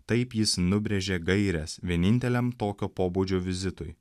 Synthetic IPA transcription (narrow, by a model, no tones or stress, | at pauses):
t̪ɐɪpjɪsnʊbʲɾʲɛʒʲeːɡɐɪɾʲɛsʋʲiɛnʲɪnʲt̪ʲɛlʲɛmt̪oːkʲoːpoːbuːd͡ʒʲoːʋʲɪzʲɪt̪ʊj